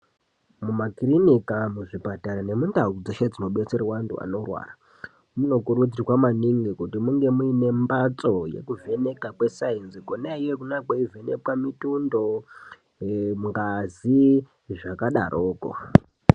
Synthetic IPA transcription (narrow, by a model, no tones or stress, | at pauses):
mumakirinikamuʐipataɾane̞mundaud͡zoʃad͡zino̞ɓet͡seɾawantṵa̰no̞rwa̰ːra | muno̞kuɾud͡zirwamaniŋɡikutimuŋɡe̞muine̞mbat͡so̞je̞̰kuve̞ne̞kakwe̞sainzikonaijekunakwaivene̞̰pwamitundo̞ | mŋɡazi | ʐakaɗa̰rʔo̞ːko̰